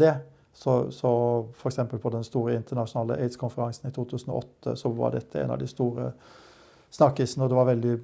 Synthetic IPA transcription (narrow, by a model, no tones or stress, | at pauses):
ɛ | sɔsɔfɔɾɛksɛmpəlpʰɔd̪ɛnst̪uːɾəɪnt̪əɳɑʂʊnɑːlə̰ʔeɪd̪skʰʊnfəɾɑŋsn̩ɪt̪ʰuːt̪ʰʉːsən̩ɔ̰ʔɔt̪ʰːə̰sɔʋɑ̰ɖɛ̰t̪ʰːəḛɪnɑ̰ʋd̪ɪst̪uːɾə̰ | snɑkːəsnəɔd̪ɛʋɑɾʋɛld̪ɪ